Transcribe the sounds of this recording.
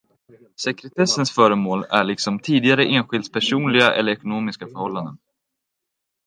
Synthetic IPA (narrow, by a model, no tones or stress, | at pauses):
sɛkɾɛt̪ʰɛsːənsfœːɾəmoːlæɭɪksɔmt̪ʰiːd̪ɪɡaɾəʔeːnɧɪld̪spʰæʂuːnlɪɡaʔɛ̰lːəɾɛkʊnoːmɪskafœɾhɔlːand̪ən